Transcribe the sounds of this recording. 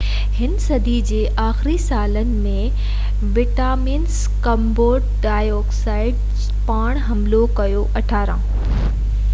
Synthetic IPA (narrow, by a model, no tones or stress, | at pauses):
hɪnsɐd̪ʱid͡ʑeːʔaːxɪɾisaːlənɪ̆mẽ | ʋɪʈaːmins | kɐmboːɾɖɖaːjoːksaːɪɖ | paːɽ̃ɦɐmlokɐjoʔɐʈʰaːɾã